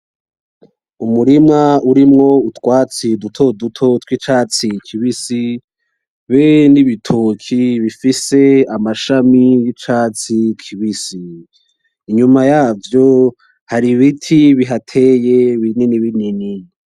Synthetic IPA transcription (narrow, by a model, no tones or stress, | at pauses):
umuɾimŋauɾimŋo̞utwaːt͡sidutʰo̞dutʰo̞twit͡ʃaːt͡sikʰiβisi | βeniβitʰokʰiβifise̞amaʃamijit͡ʃaːt͡sikʰiβisiː | ɲumajaːvjo | haɾiβitʰiβiɦatʰe̞jeβineniβinini